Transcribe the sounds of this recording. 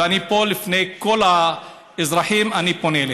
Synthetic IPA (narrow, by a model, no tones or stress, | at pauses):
anipolifnejkola | izɾaħimaniponele